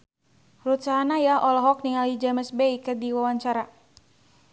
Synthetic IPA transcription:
rut͡ʃaɦanajahʔɔlɔɦɔk̚niŋalid͡ʒaməsbɛikədiwawaɲt͡ʃaɾa

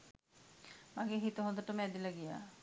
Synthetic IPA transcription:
maɡeɦit̪oɦod̪əʈomɛd̪ilaɡija̰

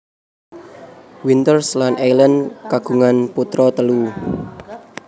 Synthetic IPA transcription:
wint̪ərslanʔelənkaɡ̥ṳŋanput̪ɾɔt̪əlu

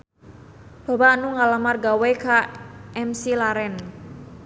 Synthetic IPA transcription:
b̥a̤banuŋalamarɡawekaʔɛmsilaɾɛn

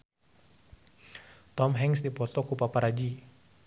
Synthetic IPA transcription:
t̪ɔmɦɛŋsdipɔt̪ɔkupapaɾad͡ʒi

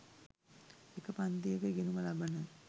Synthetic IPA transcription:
ekəpant̪ijəkəɡenuməlabənə

